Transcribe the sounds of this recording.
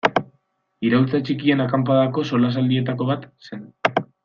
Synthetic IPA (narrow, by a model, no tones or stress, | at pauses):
iɾawlt͡sat͡ʃikie̞nakampaðako̞so̞las̬ald̪ie̞t̪ako̞β̞at̪se̞n